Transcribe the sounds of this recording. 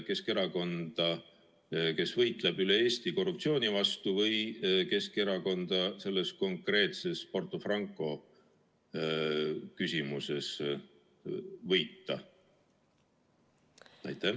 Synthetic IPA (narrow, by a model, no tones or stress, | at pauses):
ke̞ske̞ɾɑko̞nd̪̥ɑ | ke̞svɤjt̪ˑlebyleeːst̪iko̞rːupt̪sio̞ːnʲivɑst̪uvɤjke̞skeɾɑko̞nd̪̥ɑse̞lːesko̞ŋkre̞ːt̪se̞spo̞rt̪ˑːofrɑŋkːˑo̞ | kysimuse̞s | vɤjt̪ːɑ | æ̰jt̪ːˑæ